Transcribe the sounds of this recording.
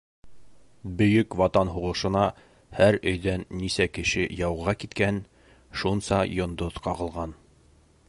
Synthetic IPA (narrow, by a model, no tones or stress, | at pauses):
bɵ̆jɵkwɑt̪ɑnɦuʁɤ̆ʃɤ̆nɑ | hæɾɵ̆jðænːisækɘ̆ʃɘjɑwʁɑkit̪kæn | ʃunsɑjŏnd̪oðqɑʁɤ̆lˠʁɑn